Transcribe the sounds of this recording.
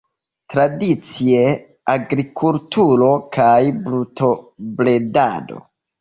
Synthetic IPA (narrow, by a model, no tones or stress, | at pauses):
tɾadit͡sie | aɡɾikʰultuɾo̞kʰajblutʰoble̞da̰do̞̰